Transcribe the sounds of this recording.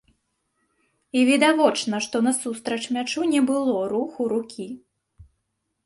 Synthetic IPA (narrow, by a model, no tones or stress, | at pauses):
ivʲɛd̪avɔt͡ʂnɐʂt̪ɔnɐsust̪ɾɐt͡ʂmʲat͡ʂunʲɛbɨlˠɔɾuxuɾukʲʰi